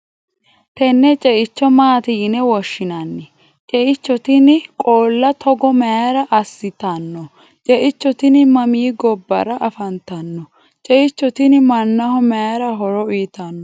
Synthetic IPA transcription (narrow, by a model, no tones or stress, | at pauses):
t̪ɛnːɛt͡ʃʼɛʔɪt͡ʃːɔmaːt̪ɪjnɛwɔʃːɪnɐnːɛ | t͡ʃʼɛʔɪt͡ʃːɔt̪ɪnkʼoːlːɐt̪ʰɔɡɔmɐjaɾɐʔɐsːɪt̪ɐnːɔ | t͡ʃʼɛʔɪt͡ʃːɔt̪ɪnmɐmiːɡɔbːɐ̰ɾɐʔɐfɐnt̪ɐnːɔ | t͡ʃʼɛʔɪt͡ʃːɔt̪ɪnmɐnːɐhɔmɛjaɾɐɦɔɾɔiːt̪ɐnːɔ